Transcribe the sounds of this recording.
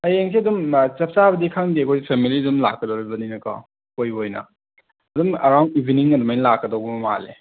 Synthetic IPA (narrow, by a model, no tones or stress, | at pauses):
ɐjeŋsʰiɐdumt͡ʃɐp̚t͡ʃaβɐdikʰaŋdiɐkʰojipʰemilidumla̰kːɐdɔɾibɐninɐkɔ̰ | kojbojnɐ̰ | ɐdumɐɾawnibʱiniŋɐdumajnɐlakːɐdɔwbɐmɐma̰lḛ